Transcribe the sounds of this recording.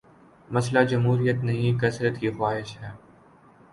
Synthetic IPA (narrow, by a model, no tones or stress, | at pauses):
mɐslad͡ʒɐmɦuːɾijət̪nɐɦĩkɐsɾət̪kixwaːɦɪʃhɛː